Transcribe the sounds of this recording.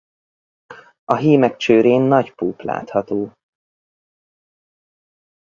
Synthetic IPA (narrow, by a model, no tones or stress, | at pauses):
ɒɦiːmɛk̚t͡ʃøːɾeːnːɒɟpuːpla̰ːt̪hɒt̪oː